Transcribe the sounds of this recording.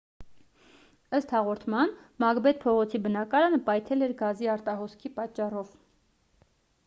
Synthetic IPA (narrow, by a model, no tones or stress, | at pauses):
əst̪hɑʁɔɾt̪ʰmɑnmɑɡbɛt̪̚pʰɔʁɔt͡sʰibənɑkɑɾɑnəpɑjt̪ʰɛlɛɾɡɑziɑɾt̪ɑɦɔskʰipɑt͡ʃːɑrɔv